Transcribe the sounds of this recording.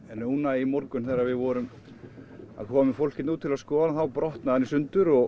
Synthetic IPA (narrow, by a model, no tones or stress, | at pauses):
ɛnːownaimɔɾkʏnθɛɾavɪðvɔɾʏm | a̰ðkʰɔːmʏmfowl̥cɪt̪nuːt̪ʰːɪlaðskɔːðaθawpɾɔht̪naðanːisʏnt̪ʏɾɔɣ